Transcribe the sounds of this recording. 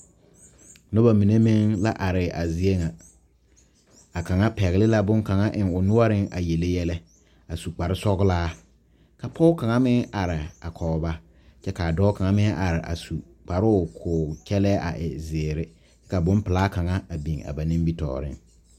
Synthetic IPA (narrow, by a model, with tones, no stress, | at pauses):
no˦ba˨mi˨ne˦mɪ˦ŋla˦ʔa˨ɾɪ˨ʔa˨zi˨e˦ŋa˨ | a˨ka˨ŋa˦pɛ˨ɣɪ˨lɪ˦la˦bʊ˦ŋka˨ŋa˦ʔɪ˨ŋʊ˨nʊ˦a˦ɾɪ˦ŋʔa̰˨je˨le˦jɛ˦lɛ˦ | a˨su˨k͡pa˨ɾɪ˦sɔ˦ɣʊ˦laː˦ | ka˨pʰɔ˦ʊ˦ka˨ŋa˦mɪ˦ŋa˨ɾɪ˨a˨kʰɔː˨ba˦ | t͡ʃɛ˦ka˨a˨dɔː˦ka˨ŋa˦mɪ˦ŋʔa˨ɾɪ˨ʔa̰˨su˨ | k͡pa˨ɾʊ˦˨kʰʊ˨kɛ˦lɛː˦ʔa̰˨ʔɪ˨zɪː˨ɾɪ˦ | t͡ʃɛ˦ka˨bʊ˦mpɪ˨laː˦ka˨ŋa˦a˨bi˨ŋa̰˨ba˨nɪ̃˦mbi˦tɔ̰ː˨ɾɪ̰˦ŋ